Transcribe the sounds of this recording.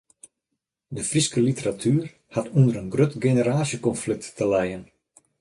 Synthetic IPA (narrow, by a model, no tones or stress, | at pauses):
dəfriskəlitəratʰyːr | hatundəɾənɡrøtɡenəɾaːsjəkɔnflɪk̚tːəlɛjən